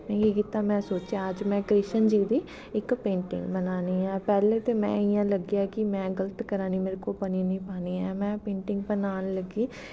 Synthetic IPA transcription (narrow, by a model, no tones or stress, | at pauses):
mɛ̃ːkiːkiːt̪aːmɛ̃ːsoːt͡ʃaəd͡ʒmɛ̃ːkɾɪʃənd͡ʒiːd̪iː | ɪkpẽːɳʈɪ̰̃ŋɡbənaːniːɛ̃ːpɛːleːt̪eːmɛ̰̃ːɪjãːləɡjaːkɪmɛ̃ːɡələt̪kəɾaːniːmeːɾkopəniːnĩːpaːniːɛːmɛ̃ːpẽːɳʈɪ̃ŋɡbənaːnləɡiː